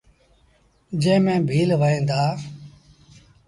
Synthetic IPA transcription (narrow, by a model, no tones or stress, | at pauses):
d͡ʒẽːmẽːbʱiːlʋəĩːnd̪aː